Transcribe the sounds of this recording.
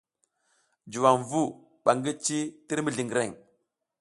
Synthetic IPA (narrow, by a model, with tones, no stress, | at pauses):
d͡ʒu˨wa˨ŋvu˦ | ɓa˨ŋɡi˦t͡ʃi˦ti˦ɾmi˨ɮi˨ŋɡɾe˦˨ŋ